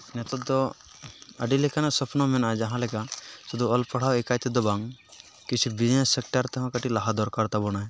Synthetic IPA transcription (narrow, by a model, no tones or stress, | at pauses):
nɛt̪ɔt̪̚d̪ɔ | əɖilɛkanasɔpʰnɔmɛnad͡ʒaɦãlɛkasɔd̪uɔlpɔɽ̤awɛkajt̪ɛd̪ɔbaŋ | kit͡ʃʰibinɛsːɛk̚ʈaɾt̪ɔɦãkaʈilaɦad̪ɔɾkaɾt̪abɔñaj